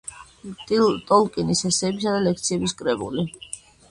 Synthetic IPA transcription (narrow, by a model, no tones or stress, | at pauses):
t̪ʼt̪ʼɔlkʼinishɛsɛːbisad̪alɛk̚ʰt̪sʰiɛbiskʼɾɛbṵli